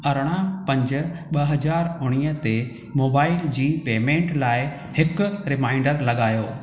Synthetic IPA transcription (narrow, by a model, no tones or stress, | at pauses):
ɐɾɽ̃ãpɐ̃ɲd͡ʑʊ̆ɓɐɦɐzaːɾʊɽ̃iːət̪e | moːbaːɪld͡ʑiːpeːmẽːɳʈlaːɪ | hɪkɾɪmãːɪ̃ɳɖəɾlɐɠaːjoː